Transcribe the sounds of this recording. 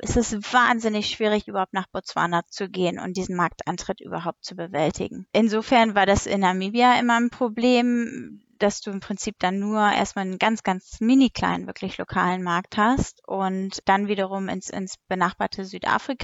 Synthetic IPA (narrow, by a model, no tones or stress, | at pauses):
ʔɛstɛsv̥aːnzɪnɪçʃv̥iːʁɪçʔyːbɐhaʊp̚tnaːχb̥ot͡sv̥a̰ːnat͡suɡeːənʊ̰nt̚d̥iːzn̩maɐk̚tʔa̰ɪntʁ̥ɪtʔy̰ːbɐɦaʊp̚tt͡subəvɛltʰɪ̰ɡŋ̩ʔɪnzoːfɛɐnvaːɐdasɪ̰namiːbiaʔɪmɐnpʁ̥obleːm | d̥asd̥uːɪmpʁ̥ɪnt͡siːp̚d̥anːuːɐʔḛɐstmaːlənɡant͡sɡ̥ant͡smɪnikl̥a̰ɪnə̰nvɪɐklɪçlokʰa̰ːlənmaɐk̚thastʔʊntd̥anviːdɐʁ̞ʊmɪ̰nsɪ̰nsb̥ənaχb̥aːɐtʰəzyːtʔa̰ːfʁ̥ikʰa